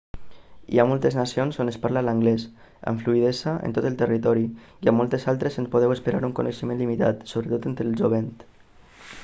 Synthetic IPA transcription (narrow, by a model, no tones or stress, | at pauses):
ḭamolˠt̪əznasionzonəspaɾlalaŋɡlɛs | ə̰ɱfluið̞ɛsaʔḛnt̪ot̪əlˠt̪ərit̪ɔɾi | iamːɔlˠt̪ezalˠt̪ɾezənspoð̞ɛwəspeɾa̰ɾuŋkonəʃəmẽnlimit̪a̰t̪soβɾət̪ot̪ent̪ɾəlʒoβent̪